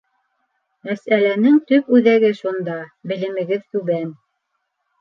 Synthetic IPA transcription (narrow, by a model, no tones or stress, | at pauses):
mæsælænɘŋt̪ɵp̚ʉðæɡɘʃund̪ɑbɘ̆lɘ̆mɘ̆ɡɘðt̪ʉβæn